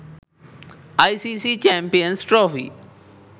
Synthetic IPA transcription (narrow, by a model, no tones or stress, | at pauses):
aisisit͡ʃɛ̃ːmpijənsʈɾoːfḭ